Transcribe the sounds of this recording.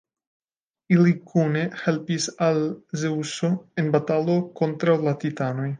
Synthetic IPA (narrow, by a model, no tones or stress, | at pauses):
ilikʰunehɛlpisalzeusoenbat̪alokont̪ɾalat̪it̪anoj